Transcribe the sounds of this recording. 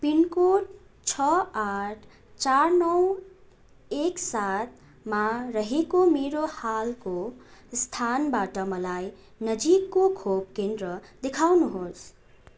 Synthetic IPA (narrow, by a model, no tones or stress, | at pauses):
pinkoʈ | t͡sʰʌaʈʰ | t͡sarnʌw | eksat̪̚ | maɾʌɦekomeɾohalkost̪ʰanbaʈʌmʌlaj | nʌd͡zikːokʰob̚kend̪ɾʌd̪ekʰawnuɦos